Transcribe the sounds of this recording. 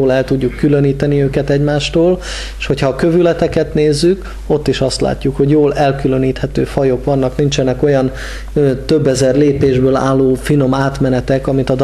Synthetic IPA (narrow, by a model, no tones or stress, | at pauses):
oːlɛlt̪uɟːukːylø̞niːt̪ɛniøːkɛt̪ɛɟmaːʃt̪oːl | ʃho̞cʰhɒkøvylɛt̪ɛkɛt̪neːzːyk | o̞t̪ːiʃɒst̪la̰ːcːukho̞ɟjoːlɛlkylø̞niːt̪hɛt̪ø̰ːfɒjo̞kʋɒnːɒknint͡ʃɛnɛko̞jɒnː | t̪ø̞bːɛzɛrleːpeːʒbøːla̰ːlːoːfino̞maːt̪mɛnɛt̪ɛkɒmit̪ɒd̪